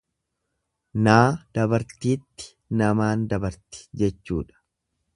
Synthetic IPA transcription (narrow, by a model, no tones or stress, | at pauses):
naːd̪̥ɐbɐɾt̪iːt̪ːɪ̥ | nɐmaːnd̪ɐbɐɾt̪ɪ̥d͡ʒɛt͡ʃːṵːᶑɐ̥